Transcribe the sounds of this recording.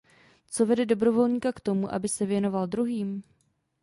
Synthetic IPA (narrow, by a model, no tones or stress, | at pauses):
t͡so̞vɛdɛdo̞bɾo̞vo̞lɲiːkakt̪o̞muʔa̰bɪsɛvjɛno̞valdɾuɦiːm